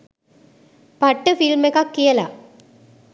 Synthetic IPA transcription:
pɐʈːɯfilmekaːkːijɐlaː

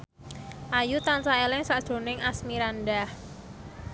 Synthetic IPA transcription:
ʔajut̪ansaelɪŋsaʔd̥ʒ̥o̤nɪŋasmiɾanɖah

